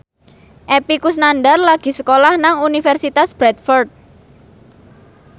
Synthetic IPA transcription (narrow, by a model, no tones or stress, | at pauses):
ʔepikus̬nanɖarlaɡ̥i̤səkolahnaŋunifɛrsit̪asb̥ɾɛt̪̚fɔrt̪̚